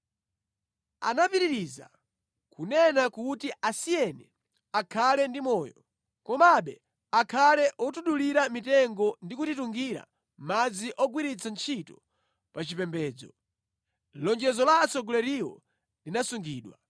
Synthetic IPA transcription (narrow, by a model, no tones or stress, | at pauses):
a̰napiɾiɾiza̰ | kunɛnakutiʔasijɛnɛ | akʰalɛndimɔːjɔ | kɔmaɓɛ | akʰalɛʔɔtuɗuliɾamitɛŋɡɔndikutituŋɡiɾa̰ | mad͡ziʔɔɡwiɾit͡sʰant͡ʃʰitɔ̥ | pat͡ʃipɛmbɛːd͡zɔ̰ | lɔnd͡ʒɛzɔlaːsɔɡɔlɛɾiɔ̰ | linasuŋɡiːɗwa